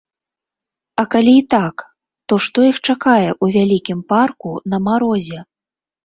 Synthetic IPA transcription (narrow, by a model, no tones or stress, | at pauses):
ɐkalʲiːt̪ak | t̪ɔʂt̪ɔjixt͡ʂakajɛʔuvʲalʲikʲimparkunɐmaɾɔzʲɛ